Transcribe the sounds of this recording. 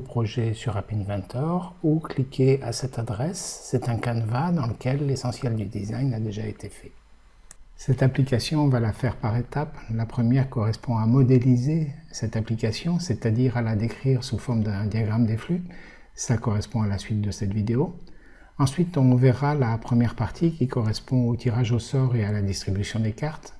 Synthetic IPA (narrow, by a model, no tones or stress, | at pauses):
pχɔʒɛsyʁapinvɛ̃t̪ʰɔʁuklikʲʰeasɛt̪ad̪ʁɛsːɛt̪ɛ̃kanvad̪ɑ̃ləkʲɛlːesɑ̃sjɛld̪yd̪izajnad̪eʒaet̪ʰefɛ̥ | sɛt̪aplikasjɔ̃valafɛʁpaʁet̪aplapχəmjɛʁkɔʁɛspɔ̃amɔd̪elizesɛt̪aplikasjɔ̃sɛt̪ad̪iʁalad̪ekχiʁsufɔʁmd̪ɛ̃d̪jaɡʁamd̪efly | slakɔʁɛspɔ̃alasɥit̪̚d̪əsɛt̪vid̪eo | ɑ̃sɥit̪ɔ̃vɛʁalapχəmjɛʁpaʁt̪ʰikʲikɔʁɛspɔ̃ot̪ʰiʁaʒosɔʁealad̪ist̪χibysjɔ̃d̪ekaʁt̪